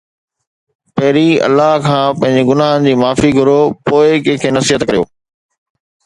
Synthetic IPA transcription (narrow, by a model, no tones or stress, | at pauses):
pɐɦɪɾiɐ̰lːaːɦkʰãːpɐ̃ɦɪ̃ɲd͡ʑeɡʊnaːɦənɪ̆d͡ʑiːmaːfiɡʱʊɾopoːɪkɐ̃ɦkʰeːnɐsiɦət̪kɐɾijo̰ː